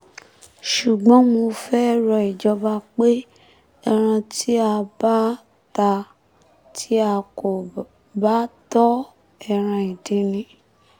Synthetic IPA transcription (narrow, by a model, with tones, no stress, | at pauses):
ʃu˨ɡ͡bɔ̃˨˦mo˧fɛ˦ɾɔ˧˨i˨d͡ʒɔ˧ba˧k͡pe˦ | ɛ˧ɾ̃ã˧tʰi˦a˧ba˦ | ta˧ | tʰi˦a˧ko˨ | ba˦tɔ˦ | ɛ˦˧˨ɾ̃ã˧i˨dĩ˨˦nĩ˧